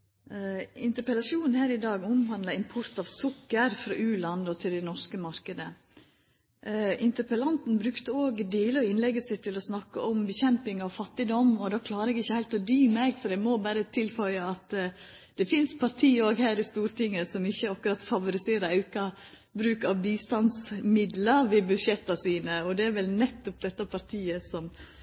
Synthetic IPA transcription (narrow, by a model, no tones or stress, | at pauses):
ɪnt̪əɾpɛlɑʂuːnn̩hæːɾɪd̪ɑːɡʊmhɑnd̪lɑɪmpʰʊɾt̪ɑʋsʊkːəɾfɾɑːʔʉːlɑnɔt̪ʰɪld̪ɛnɔʂkəmɑɾkəd̪ə | ʔɪnt̪əɾpəlɑnt̪n̩bɾʉkt̪əoːɡd̪iːləɾɪnlɛɡəsɪt̪ʰːɪlɔsnɑkːəʔɔmbɛçɛmpɪŋɑʋfɑt̪ːɪd̪ɔmɔd̪ɑːkʰlɑːɾəɛɡɪçːəhæɪt̪ɔd̪yːmæɪɡfɔɾɛmɔbæːɾət̪ʰɪlfœʏəɑt̪ | d̪̥ɛfɪnspʰɑɾt̪ʰiːoːɡhæːɾɪst̪uːɾt̪ʰɪŋːəsɔmɪçːəɑkʉɾɑt̪fɑʋʊɾɪseːɾəɾɑʉkɑ | bɾʉːkɑʋbiːst̪ɑnsmɪd̪ləɾʋɪbʉd̪ʃjɛt̪ːɑsiːnəɔd̪ɛæɾʋɛlnɛt̪ːɔp̚d̪ɛt̪ːɑpʰɑɾt̪ʰiːəsɔm